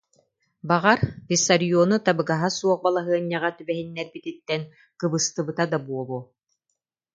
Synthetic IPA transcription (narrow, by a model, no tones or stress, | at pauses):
baʁaɾpisaɾijɔnut̪abɯɡaɦasuɔχbalˠaɦɯɐɲːaʁat̪ybɛɦinːɛɾbit̪it̪ːɛn | kɯbɯst̪ɯbɯt̪ad̪abuɔbu